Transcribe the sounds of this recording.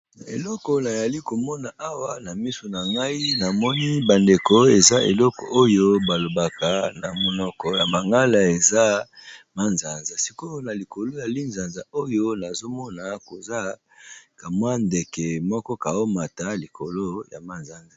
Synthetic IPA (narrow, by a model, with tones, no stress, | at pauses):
na˨ḛ˨lɔ˦kɔ˨na˨ja˨li˦ko˨mɔ˦na˨ʔa˦wa˦na˨mi˦so˨na˨ŋɡa˦i˦na˨mɔ˦ni˦ba˨nde˨kɔ˦e˨za˦ʔe˨lɔ˦kɔ̰˨ʔo˦jo˦ba˨lo˨ba˨ka˨na˨mo˦nɔ˦kɔ˦ja˨ma˨ŋɡa˦la˨e˨za˦ma˦nza˨nza˨si˨ko˦na˨li˨ko˨lo˦ja˨li˦nza˨nza˨o˦jo˦na˨zo˦mɔ˦na˨ko˨za˦ | ka˨mwa˦nde˨kɛ˨mɔ˦kɔ˦ka˨o˦ma˨ta˦li˨ko˨lo˦ja̰˨ma˦nza˦nza˨